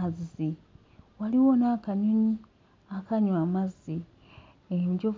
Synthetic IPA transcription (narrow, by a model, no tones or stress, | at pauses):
azi | waliwonakaɲuɲi | akaɲwamazi | emɟov